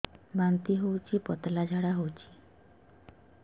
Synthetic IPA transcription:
bant̪iɦowt͡ɕipɔt̪lad͡ʒʱaɽaɦowt͡ɕi̥

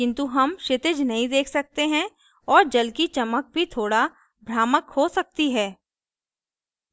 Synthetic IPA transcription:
kɪ̃nt̪uɦɐmʃɪt̪ɪd͡ʒnɐɦĩd̪eːkʰsɐk̚t̪eɦɛ̃ | ɔːɾd͡ʒɐlkit͡ʃɐmək̚bʱit̪ʰoːɽa | bʱɾaːməkhosɐk̚t̪iɦɛː

